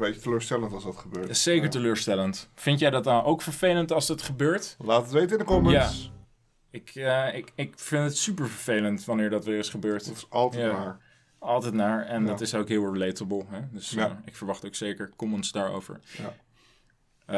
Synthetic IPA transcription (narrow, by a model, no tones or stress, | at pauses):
bejətəløːɹstɛləntɑlˠzdɑtχəbøːsejkəɹtəløːɹstɛləntfɪntjɛjdɑtanowkfəɹvejləntɑlˠzdɑtχəbøːɹtlaːtətʋejtɪndəkɔməjaː | ɪkəɪkɪkfɪntətsypəɹvəɹvejləntʋɑnɪːɹdɑtʋɪːɹɪsχəbøːɹtɑlˠtjanaːɹ | ɑlˠtɛjtnaːɹɛndɑtɪsokɦɪlˠɛɹletəbəlˠɦɛdɵsɪkfəɹʋɑχtowksejkəɹkɔmənsdaːɹo̰wvə̰ɹa